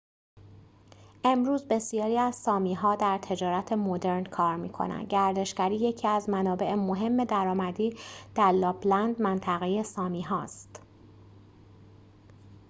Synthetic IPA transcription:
ʔe̞mɾuːzbe̞sijɒːɾiːæzsɒːmiːɦɒːd̪æɾt̪ʰe̞d͡ʒɒːɾæt̪ʰe̞mod̪e̞ɾnkʰɒːɾmiːkʰo̰næ̰nd̪̚ɟæɾd̪e̞ʃcæɾiːje̞cʰiːæzmænɒːbe̞ʔemo̞ɦe̞mːe̞d̪æɾɒːmæd̪iːd̪̥æɾlɒːblænd̪mænt̪ʰæɣeje̞sɒːmiːɦɒːst̪

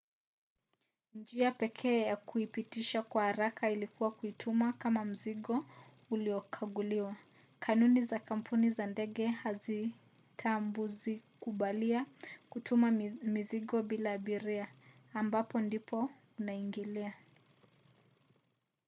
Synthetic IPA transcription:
nd͡ʒiapɛkʰɛːjakuipitiʃakwahaɾakʰailikuwakuitʰumakamam̩ziɠɔ | uliɔkʰaɠuliwa | kʰanunizakam̩pʰunizandɛɠɛhazi | tʰambuzikuɓaliakutʰumamiziɠɔɓilaːɓiɾiaːmbapɔndipʰɔ | unaiŋɡilia

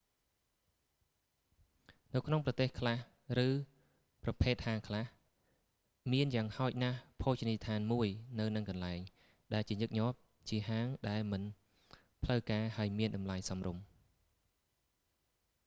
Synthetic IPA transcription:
nɨwkʰnoŋprɑt̪eːhkʰlah | rɨː | prɑpʰeːt̪̚haːŋkʰlah | miənjaːŋhaɔc̚nahpʰoːt͡ɕnit̪ʰaːnmuəjnɨwnɨŋkɑnlaɛŋ | ɗaɛlt͡ɕiəɲɨk̚ɲŏəp̚ | t͡ɕiəɦaːŋɗaɛlmɨn | pʰləwkaːhaəjmiənɗɑmlajsɑmrum

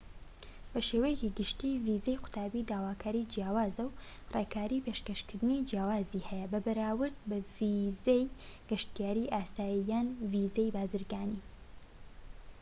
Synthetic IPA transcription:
b̥ɐʃewejeciɡɨʃt̪iːvizejqʊ̥t̪ʰaːbid̪aːwaːkʰaːɾid͡ʒjaːwaːzɐwreːkʰaːɾiːpeʃkɐʃkɨɾd̪ɨnid͡ʒjaːwaːzihɛjɛbɐbɐɾaːwɨɾd̪̚bɐvizejɡ̥ɐʃt̪ijaːɾiʔaːsaːjijaːnvizejbaːzɨɾɡaːni

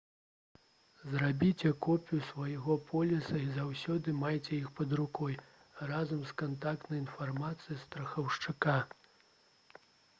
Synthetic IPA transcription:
zrabʲit͡sʲɛkɔpʲjusvajɣɔpʰɔlʲisɐizawsʲɔd̪ɨmajt͡sʲɛjixpɐd̪ɾukɔj | razɐmskant̪ak̚t̪nɐjinfarmat̪sɨjist̪ɾɐxɐwʂt͡ʂɨka

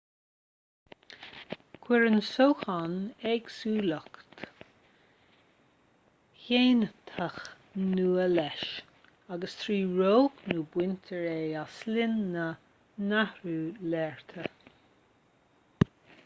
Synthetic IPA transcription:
kʰwɪɹənsoːxanɛɡsuːləkt̪ | çeːnət̪ʰəx | nuːəlɛʃ | aɡəst̪ʰɹiːɹoːknuːbwɪnt̪ʰəɹeːaslɪnːə | nahɹuːlɛːɹt̪ʰə

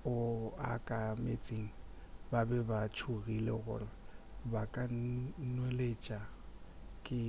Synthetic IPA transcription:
ʊa̰kʼamet͡sʼiŋ̩ | babɛbat͡ʃʰuɣilɛɣʊ̰rɪbakʼanwelet͡ʃʼa | kʼɪ

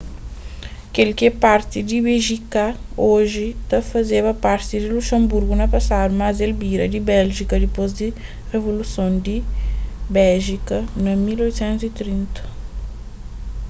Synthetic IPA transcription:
ɐkelkepaɾt̪id̪ɪbeʒikaoʒit̪ɐfɐzevɐpaɾt̪id̪iluʃɐ̃mbuɾɡunɐpɐsad̪umazelbiɾɐd̪ibɛlʒikɐd̪ipozd̪i | revolusõnd̪i | bɛlʒikɐnɐmilojt̪sẽnt̪uzit̪ɾĩnt̪ɐ̥

